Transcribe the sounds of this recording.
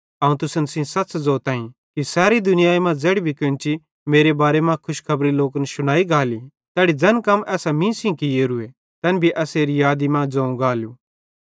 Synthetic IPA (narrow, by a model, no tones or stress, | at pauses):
ɐːũt̪ʊsənsĩsɐtːsd͡zoːt̪ãːĩ | kisaːɾid̪ʊnɪjaːimãd͡zɛːɽibʱikɪ̃nt͡ʃi | meːɾebaːɾemãkʰʊʃkʰɐbɾiloːkənʃʊɽ̃aːiɡaːli | t̪ɛːɽid͡zɐnkɐmːɛːsamĩːsĩkijeɾʊe | t̪ɐnbʱiʔɛːseːɾijaːd̪imãd͡zɐ̃ːũɡaːljuː